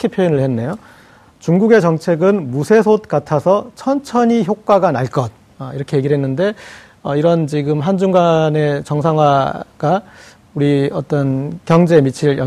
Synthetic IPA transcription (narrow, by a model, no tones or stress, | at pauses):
kʰipʰjoinɯɭhe̞nːe̞jo | t͡ɕuŋɡuɡe̞t͡ɕʌŋt͡ɕʰe̞ɡɯnmusʰe̞sʰot̚k͈atʰasʰʌt͡ɕʰʌnt͡ɕʰʌɲiçjok̚k͈waɡanaɭk͈ʌt̚ | ʌiɾʌkʰeje̞ɡiɾɦenːɯnde̞ | ʌiɾʌnt͡ɕiɡɯmɦand͡ʑuŋɡane̞t͡ɕʌŋsʰaŋwaɡa | uɾiʌt͈ʌnkjʌŋd͡ʑe̞mit͡ɕʰiɭjʌ